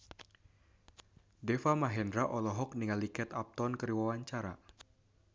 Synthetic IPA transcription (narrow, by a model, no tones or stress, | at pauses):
dɛfamaɦɛndɾaʔɔlɔɦɔk̚niŋalikɛt̪ap̚t̪ɔnkəɾiwawaɲt͡ʃaɾa̰